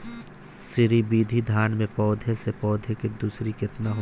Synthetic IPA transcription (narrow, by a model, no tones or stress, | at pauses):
sɪɾibiːd̪ʱid̪ʱaːnmẽpɔːd̪ʱesepɔːd̪ʱeked̪uːsɾikɪt̪naɦ